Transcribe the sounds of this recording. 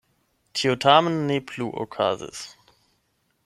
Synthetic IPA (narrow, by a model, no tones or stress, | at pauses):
tʰiotʰaːmənːepʰluːʔo̰kʰa̰ːzɪ̰s